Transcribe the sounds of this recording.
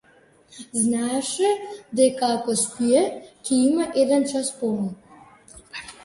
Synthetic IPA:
znaʂɛd̪ɛkaːkɔspʷijɛkʰʲɛimaʔed̪ɛnt͡ʃʰaspɔlu

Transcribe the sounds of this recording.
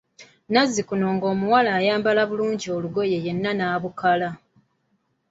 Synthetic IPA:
nazːikuno̞ːŋɡo̞ːmuwalaːjaːmbalaβuluːɲɟio̞luɡo̞je̞je̞nːanaːβukala

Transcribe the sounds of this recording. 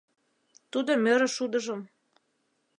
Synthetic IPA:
t̪ud̪omøɾĕʃud̪ɤ̆ʒɤ̆m

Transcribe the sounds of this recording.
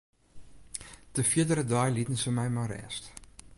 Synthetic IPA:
d̥əfiədəɾədɑːjlitənsəmɛjmarɛ̰ːst

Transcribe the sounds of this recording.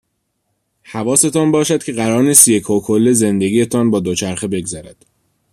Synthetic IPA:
hævɒːse̞t̪ʰɒːnbɒːʃæd̪̥cʰe̞ɣæɾɒːɾniːst̪je̞cʰhokʰolːeze̞nd̪e̞ɡiːjet̪ʰɒːnbɒːd̪ot͡ʃʰæɾxebe̞ɡzæɾæd̪̥

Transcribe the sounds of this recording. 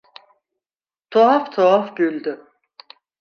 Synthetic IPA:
t̪ʰoaft̪ʰoafbylʲd̪y

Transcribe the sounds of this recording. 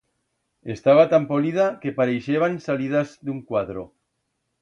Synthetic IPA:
est̪aβat̪ampoliðakepaɾejʃeβansaliðazd̪uŋkwaðɾo̰

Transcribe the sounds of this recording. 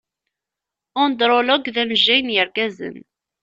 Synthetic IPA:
ond̪ɾˤoloɡðæmʒːæjnjəɾɡæzə̰n

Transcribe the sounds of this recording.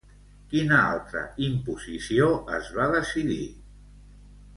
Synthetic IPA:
kinəa̰lˠt̪ɾə̰impuzisioəzβaðəsiði

